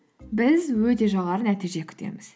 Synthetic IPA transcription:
bɪzwɵt̪e̞ʒɑʁɑɾənæt̪ijʒe̞kʲʰʏ̥t̪ʰḛmɪz̥

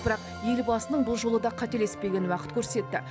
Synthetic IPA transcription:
bɪɾɑq | je̞lbɑsənəɴbʊlˠʒo̞lˠəd̪ɑqʰɑt̪e̞le̞spe̞ɡʲe̞nwɑqət̪̚kʲʰɵɾse̞t̪ːɪ̰

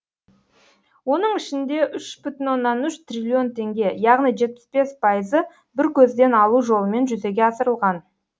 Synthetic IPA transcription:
wo̞nəɴɪʃɪnd̪e̞ʔʏʃb̥ʏt̪ɪnwo̞nːɑnʏʃt̪rʲilʲio̞nt̪ʰe̞ŋɡʲe̞jɑʁnijʒe̞t̪̚pɪ̥sbe̞spʰɑjəzə | bɪɾkʲʰɵzd̪e̞nɑlˠuʒo̞lˠəme̞nʒʏze̞ɡʲe̞ɑsəɾəlˠʁɑn

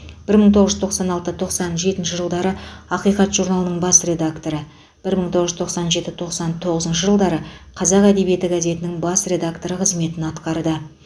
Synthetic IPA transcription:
b̥ɪɾməɴt̪ʰoʁəʒʏzt̪ʰoqsɑnɑlˠt̪ət̪ʰo̞qsɑnʒe̞t̪ɪnʃɪʒəlˠd̪ɑɾəɑqijqɑt̪ʒuɾnɑlˠənəɴbɑsre̞d̪akt̪o̞ɾə | b̥ɪɾməɴt̪ʰo̞ʁəʒʏzt̪ʰoqsɑnʒe̞t̪ɪt̪ʰo̞qsɑnt̪ʰo̞ʁəzənʃəʒəlˠd̪ɑɾəqʰɑzɑqæd̪e̞bije̞t̪ɪɡaze̞t̪ɪnɪŋbɑsrʲe̞d̪akt̪o̞ɾəqʰəzme̞t̪ɪnɑt̪qɑɾd̪ə

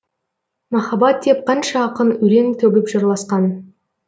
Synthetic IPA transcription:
mɑχɑbɑt̪ʰːep̚qʰɑnʃɑːqənɵɾe̞ŋt̪ʰɵbɪpʒɑɾlˠɑsqɑn

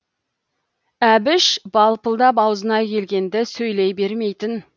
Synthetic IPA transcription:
æbɪʃbɑlˠpəlˠd̪ɑp̬ɑwzənɑkʲʰe̞lɡʲe̞nd̪ɪsɵjlejbe̞ɾme̞jt̪ɪn

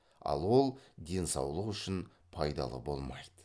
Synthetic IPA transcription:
ɑ̰lˠwo̞lˠd̪e̞nsɑwlˠəqʏʃɪn | pʰɑjd̪ɑ̰lˠə̰bo̞lˠmɑjd̪ə

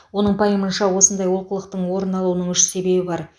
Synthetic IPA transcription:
wo̞nəɴpʰɑjəmənʃɑwo̞sənd̪ɑjwo̞lˠqəlˠəq̚t̪əɴwo̞ɾənɑlˠuwənəɴʏʃse̞be̞bɪbɑɾ

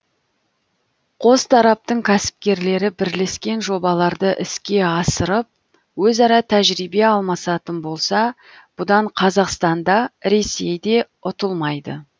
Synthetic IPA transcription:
qʰo̞st̪ʰɑɾɑp̚t̪əɴkʲʰæsɪ̥p̚kʲe̞ɾle̞ɾɪbɪɾle̞skʲe̞nʒo̞bɑlˠɑɾd̪əʔɪskʲe̞ɑsəɾəp̚ | wɵzɑɾɑt̪ʰæʒɾijbe̞ɑlˠmɑsɑt̪ənbo̞lˠsɑ | b̥ʊd̪ɑɴqʰɑzɑqst̪ɑnd̪ɑɾe̞se̞jd̪e̞ | ʊt̪əlˠmɑjd̪ə

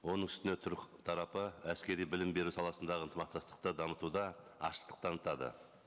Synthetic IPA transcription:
wo̞nəɴʏst̪ɪnet̪ʰɑɾɑpəæskʲe̞ɾijbɪlɪmbe̞ɾusɑlˠɑsənd̪ɑʁənt̪əmɑqt̪ɑst̪ə̥q̚t̪əd̪ɑmət̪ud̪ɑɑ̰ʃə̥t̪ə̥q̚t̪ʰɑnət̪ɑd̪ə̰

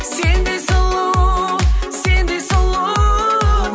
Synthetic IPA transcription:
send̪esəlˠo | send̪esəlˠo

